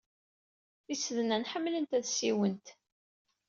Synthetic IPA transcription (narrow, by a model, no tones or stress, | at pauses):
θisəðnænħəmːlənt̪æðsiwənt̪